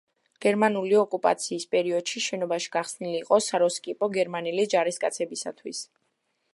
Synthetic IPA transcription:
ɡ̥ɛɾmanuliɔkʼupʼa̰t̪sʰiːspʼɛɾiɔd̪̥ʃiʃɛnɔbaʃi̥ɡ̥aχsniliːqʼɔsaɾɔskʼipʼɔɡɛɾmanilid͡ʒaɾist̪kʼat̪sʰɛbisa̰t̪ʰwis

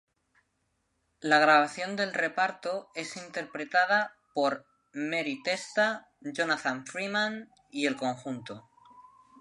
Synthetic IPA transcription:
laɣ̞ɾaβ̞aθjo̞nd̪e̞lre̞paɾt̪o̞e̞sint̪e̞ɾpɾe̞t̪að̞a | po̞ɾ | meɾit̪e̞st̪a | ʝonat̪aɱfɾimãn | ie̞lko̞ŋxunt̪o

